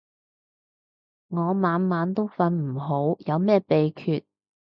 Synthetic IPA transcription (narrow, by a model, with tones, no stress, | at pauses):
ŋɔː˨˧maː˨˧nmaː˨˧˥nt̪o˥wfɐ˧nm̩˨˩ɦo˨˥wjɐ˨˧wmɛː˥˩pe˨jkʰyː˧t̚